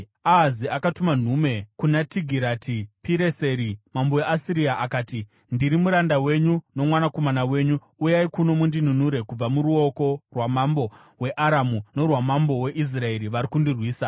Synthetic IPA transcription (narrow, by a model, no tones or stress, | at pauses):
aɦaziakatuman̤ume̞kunatiɡʱiɾatʰipiɾe̞se̞ɾimamboeʔasiɾiaʔakaːti | ndiɾimuɾandawe̞ɲuno̞mwanako̞manawe̞ɲu | ujaikuno̞mundin̤unuɾe̞kub͡vamuɾuo̞ko̞rwamambo̞ | we̞ʔaɾamuno̞rwamambo̞we̞ʔis̬rae̞ɾiʋaɾikundirwiːsa